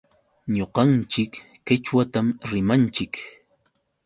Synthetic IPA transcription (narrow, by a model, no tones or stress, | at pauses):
ɲoqɑnt͡ʃɪkːɪt͡ʃwat̪amɾɪmant͡ʃɪk